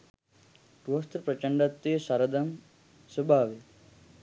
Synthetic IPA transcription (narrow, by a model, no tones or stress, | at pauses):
ʈost̪ɾpɾɐt͡ʃɐɳɖɐt̪ːijsɐɾɐd̪ɐm | subʱaːʋe